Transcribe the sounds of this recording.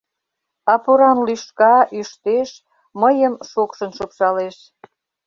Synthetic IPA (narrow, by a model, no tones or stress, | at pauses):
ɑpoɾɑnlyʃkɑʔyʃt̪eʃ | məjəmʃokʃənʃokʃɑleʃ